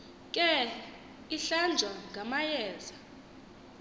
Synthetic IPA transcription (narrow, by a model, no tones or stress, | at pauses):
kʼɛ | iɬand͡ʒʱwaŋɡʱamajɛːza